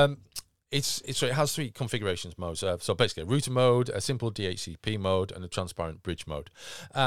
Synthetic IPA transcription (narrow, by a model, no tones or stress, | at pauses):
m | ɪtsɪtsɪʔɦəz̥θɹiːkʰə̃ɱfɪɡjəɹeɪʃə̃nzmoʊdz̥əsoʊbeɪsɪ̥kliəɹʉˑʔəmoʊdə̰sɪ̃mpəlˠdiːeɪt͡ʃsiːpʰiːmoʊdə̰̃nətʰɹ̥ãnspaɹə̃nb̥ɹɪd͡ʒmoʊd̥ə